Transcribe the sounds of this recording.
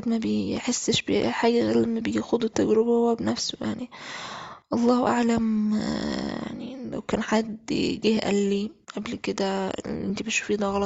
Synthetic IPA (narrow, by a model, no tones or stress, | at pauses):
d̪mæbeħesːʃbeħaːɡæɣælmæbejixod̪ut̪ːæɡɾebæhowːæbenæfsoja̰ʕni | ʔɑlˤːɑːhʔa̰ʕlæm | ja̰ʕnilæ̰wkæːnħad̪ɡiːhʔæ̰lːiʔæblked̪æʔent̪ibetʃu̥fiːd̪ɑɣɑlɑt̪